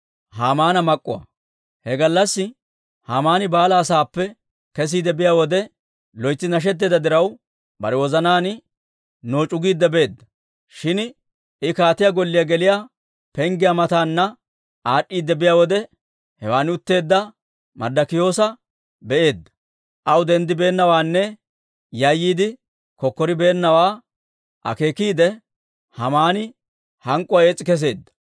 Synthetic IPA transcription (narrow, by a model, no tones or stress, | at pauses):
haːmaːnɐmɐkʼːʊ̰wɐ̰ | hɛɡɐlːɐsːɪ | haːmaːnɪbaːlɐːsaːpːɛ | kɛs̬iːd̪ɛbɪjaːwɔd̪ɛ | lɔjt͡sːɪnɐʃ̬ɛt̪̬ːɛːd̪ɐd̪ɪɾɐw | bɐ̰ɾɛwɔzɐnaːnɪ | noːt͡ʃʼʊɡiːd̪ːɛbe̞ːd̪ːɐ | ʃɪn | ɪkaːt̪ɪjaɡɔlːɪjaɡɛlɪjaː | pɛŋɡɪjamɐt̪aːnːɐ | ʔaːɗʼːiːd̪ːɛbɪjaːwɔd̪ɛ | hɛwaːnɪʊt̪ːe̞ːd̪ːɐ | mɐ̰d̪ːɐkɪjo̞ːsɐ | bɛʔe̞ːd̪ːɐ̥ | ʔɐwʊd̪ɛnd̪ɪbe̞ːnːɐwaːnːɛ | jɐjːiːd̪ɪ | kɔkːɔɾɪbe̞ːnːɐwaː | ʔɐ̰ke̞ːkiːd̪ɛ | hɐmaːnɪ | hɐŋkʼːʊwɐeːt͡sʼːɪkɛs̬e̞ːd̪ːɐ̥